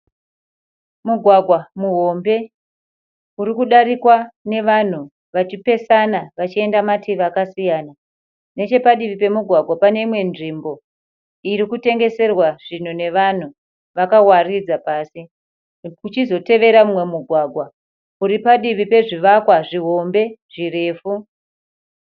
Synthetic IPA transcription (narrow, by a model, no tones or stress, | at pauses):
muɡʱwaɡʱwamuɦo̞mbe̞ | uɾikuɗaɾikwane̞ʋan̤u | ʋat͡ʃipe̞sanaʋat͡ʃie̞ndamatiʋakasijaːna | ne̞t͡ʃe̞paɗiʋipe̞muɡʱwaɡʱwapane̞imwe̞nʐimbo̞ | iɾikute̞ŋɡe̞se̞rwaʐ̥in̤une̞ʋan̤u | ʋakawarid͡zapaːsi | kut͡ʃizo̞te̞ʋe̞ɾamumwe̞muɡʱwaːɡʱwa | uɾipaɗiʋipe̞ʐiʋakwaʐiɦo̞mbe̞ʐ̥ire̞ːfu